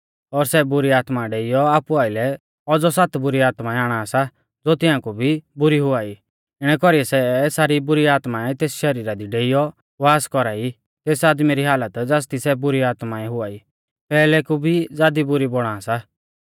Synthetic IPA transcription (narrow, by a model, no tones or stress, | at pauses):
ɔɾsɛbʊɾiaːt̪maɖeːɪjɔaːpuaːɪlɛ | ɔd͡zɔsat̪bʊɾiaːt̪maɛaːɽ̃asa | d͡zot̪ɪ̃ãːkubʱibʊɾiɦʊaːi | ɪɽ̃ɛkɔɾijɛsɛsaːɾibʊɾiaːt̪maɛt̪eːsʃɐɾiːɾad̪iɖeːɪjɔ | ʋaːskɔɾaːi | t̪eːsaːd̪miɾiɦaːlət̪d͡zast̪isɛbʊɾiaːt̪maɛɦʊaːi | pɛːlɛkubʱid͡zaːd̪ibʊɾibɔɽ̃aːsa